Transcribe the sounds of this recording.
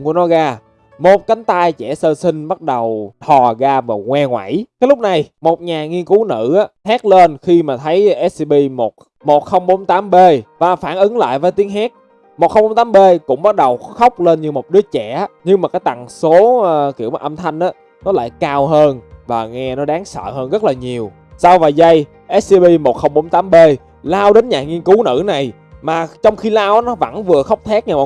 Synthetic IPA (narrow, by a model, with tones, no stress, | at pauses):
ku˧˩ənɔ˨˦ɣaː˧ | mo˨˩t̚ka˨˦ŋ̟t̪aː˧jt͡ɕɛ˧˩səː˧sï˧ŋ̟ɓa˦˥t̚ɗə˨˩wt̪ʰɔ˨˩ɣaː˧vaː˨˩ŋwɛ˧ŋwa̰˧˩˨jkaː˨˦jlʊ˦˥k͡p̚na˨˩jmo˨˩t̚ɲaː˨˩ŋi˧ənku˨˦nɨ̰˧˩ʔaː˨˦t̪ʰɛː˦˥k̚le˧nxi˧maː˨˩t̪ʰə˨˦jʔɛ˦˥s̚si˧ɓi˧mo˨˩t̚ | mo˨˩t̚xə˧wŋ͡mɓo˨˦nt̪aː˨˦mɓe˧vaː˨˩faː˧˩nʔɨ˨˦ŋla̰ː˧˨jvəː˨˦jt̪i˨˦əŋɦaː˦˥k̚ | mo˨˩xə˧ŋ͡mɓo˨˦nt̪aː˨˦mɓe˧kʊ̰˧˥ŋ͡mɓa˦˥t̚ɗə˨˩wxə˦˥wk͡p̚le˧nɲɨ˧mo˨˩t̚ɗɨ˨˦ət͡ɕɛ˧˩ʔa˨˦ɲɨ˧ŋmaː˨˩kaː˨˦jt̪a˨˩ŋso˨˦˧ki˧˩əwma˨˩ʔə˧mt̪ʰa˧jŋ̟ʔaː˨˦ | nɔ˨˦la̰ː˧˨jkaː˧wɦəː˧nvaː˨˩ŋɛ˧nɔ˨˦ɗaː˨˦ŋsə̰ː˧˨həː˧nzə˦˥t̚laː˨˩ɲi˨˩əw | saː˧wvaː˨˩jzə˧j | ʔɛ˦˥s̚si˧ɓi˧mo˨˩t̚xə˧wŋ͡mɓo˨˦nt̪aː˨˦mɓe˧ | laː˧wɗe˨˦nɲaː˨˩ŋi˧ənku˨˦nɨ̰˧˩˥na˨˩j | maː˨˩t͡ɕɔ˧wŋ͡mxi˧laː˧wʔnɔ˨˦və̰˧˩nvɨ˨˩əxə˦˥wk͡p̚t̪ʰɛ˦˥k̚ɲa˧˩maː˨